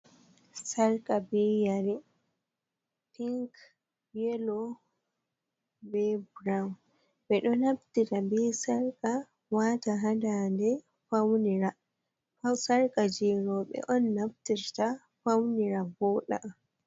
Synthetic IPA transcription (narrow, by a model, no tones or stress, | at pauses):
saɾkʼabɛjaɾi | piŋk | bɛlɔ | bɛbɾawn | bɛɗɔnaftiɾabɛsaɾkʼa | wataɦadandɛ | fawniɾa | asaɾkʼad͡ʒiːɾɔɓɛ̰ʔɔnːaftiɾta | fawniɾabɔːɗa̰ʔ